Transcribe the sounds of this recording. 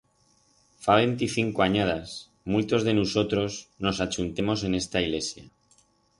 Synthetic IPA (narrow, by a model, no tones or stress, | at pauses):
faβe̞nt̪iθiŋkoaɲað̞as | mult̪o̞zðe̞nuso̞t̪ɾo̞sno̞sat͡ʃunt̪e̞mo̞se̞ne̞st̪aiɣle̞sja̰